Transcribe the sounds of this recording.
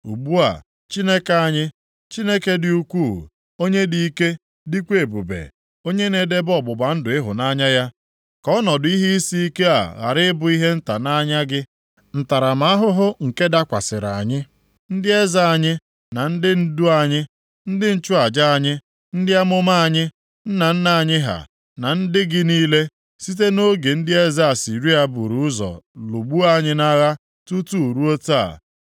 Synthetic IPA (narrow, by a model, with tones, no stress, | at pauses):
u˨bu˦a̰˨ | t͡ʃi˦ne˦ka˨ɲɪ˦ | t͡ʃi˦ne˦ke˦dɪ˨u˦kʷu˦˨ | o˦ɲe˦di˨i˦ke˦ | di˦kʷe˨bṵ˨bḛ˨ | o˦ɲe˦ne˨de˦bɔ˨bʊ˨ba˨n̩˦dʊ˨ɪ˦ɦʊ̰˨na˦ɲa˦ja˦ | kɔ˦nɔ˨dʊ˨˦i˦ɦi˦i˦si˦i˦ke˦a̰˨ɣa̰˨ɾɪ˦bʊ˨i˦ɦe˦n̩˦ta˨na˦ɲa˦ɡɪ˦ | n̩˨ta˨ɾa˨ma˨˦a˦ɦʊ˦ɦʊ˦ŋ̩˨ke˦da˦kʷa˨sɪ˨ɾa̰˨ɲɪ˦ | n̩˦dɪ˦e˦za˦a˨ɲɪ˦ | na˨n̩˦dɪ˦n̩˦du˦a˦˨ɲɪ˦ | n̩˦dɪ˦n̩˦t͡ʃʊ˦a˨d͡ʒa˦a˨ɲɪ˦ | n̩˦dɪ˦a˦mʊ˦ma˦a˨ɲɪ˦ | n̩˦na˨n̩˦na˨a˨ɲɪ˦ɦa̰˨ | na˨n̩˦dɪ˦ɡɪ˦niː˦le˦ | si˦t̬e˦no˦ɡe˨n̩˦dɪ˦e˦za˦a˨si˨ɾi˦a˦bṵ˨ɾu˨ʊ˦zɔ̰˨lu˨ɡ͡bu˦a˦˨ɲɪ˦na˦ɣa˦ | tu˦tu˦u˨ɾu˦o˦ta˦a̰˨